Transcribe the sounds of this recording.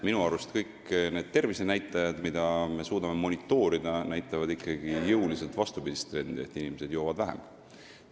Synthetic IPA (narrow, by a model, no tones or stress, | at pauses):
minuɑɾust̪kɤjkne̞ːd̪̥̚t̪e̞rvise̞næjt̪ˑːɑjɑd̪̥mid̪̥ɑme̞suːd̪ɑme̞mo̞nit̪ːˑo̞ːɾid̪̥ɑnæjt̪ːˑɑvɑd̪ikˑːɑɡijɤwlise̞lt̪vɑst̪ubid̪̥ist̪ːre̞nd̪̥ie̞̰t̪ːˑinimese̞d̪̥jo̞ːvɑd̪̥væɦḛm